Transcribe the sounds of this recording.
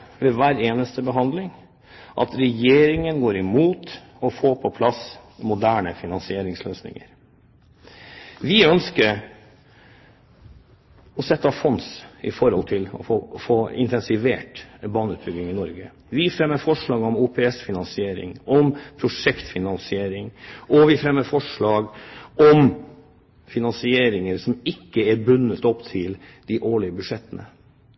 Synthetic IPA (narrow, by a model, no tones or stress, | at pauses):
ʋɛʋæːɾeːnəst̪əbəɦɑnd̪lɪŋ | ʔɑ̰t̪ɾɛjeːɾɪŋənɡoːɾɪmuːt̪ | ɔfoːpʰɔpʰlɑs | mʊd̪æːɳəfɪnɑnsɪeːɾɪŋsløːsnɪ̰ŋə̰ɾ | ʋɪœnskəɾ | ɔsɛt̪ːəfɔnsɪ̰fɔɾhɔ̰lt̪ʰɪlɔ̰foːɪ̰nt̪ʰɛnsɪʋeːʈbɑːnʉːt̪̚bʏɡ̪ɪŋɪnɔɾɡə | ʋɪfɾɛmːəɾfɔʂɭɑːɡɔmuːpʰɛɛsfɪnɑnsɪeːɾɪ̰ŋɔmpʰɾʊʂɛkt̪fɪnɑnsɪeːɾɪŋʔɔʋɪfɾɛmːəfɔʂɭɑːɡɔm | fɪnɑnsɪeːɾɪŋəɾsɔmɪkːəæɾbʉnːət̪ɔpt̪ʰɪl | d̪̥ɪʔoːɭɪəbʉʂɛt̪ːənə̰